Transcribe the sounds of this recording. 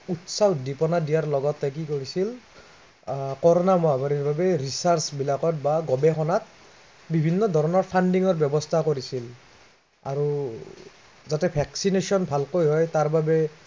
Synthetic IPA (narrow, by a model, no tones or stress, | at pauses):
utsadipɔnadijaɹlɔɡɔtːɛk̬ikoɹisil | kɔɹɔnamɔabaɹiɹbabɛɹisaɹsbilakɔtbaɡɔbɛxɔnat̚ | bibʱinːɔdʱɔɹɔnɔɹpʰandiŋɔɹbjɔbɔstʰakoɹisil | a̰ɹu | zatɛpʰɛksinesiɔnbʱalkojɦɔjtaɹbabɛ